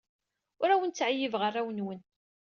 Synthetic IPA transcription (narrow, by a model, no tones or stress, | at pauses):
ʊɾæwənt͡sːʕajːəvʁərˤːawənwən